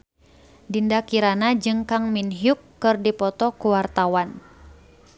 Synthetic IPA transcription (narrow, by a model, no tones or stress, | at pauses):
dindakiɾanad͡ʒɨŋkaŋminɦijukːɨrdipɔt̪ɔkuwart̪awan